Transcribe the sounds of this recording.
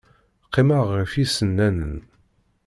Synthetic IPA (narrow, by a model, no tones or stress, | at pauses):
qʰːiməʁəfisənːænən